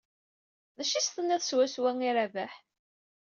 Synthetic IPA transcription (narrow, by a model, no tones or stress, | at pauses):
ðæʃist̪ənæθswæswæŋiɾævæħ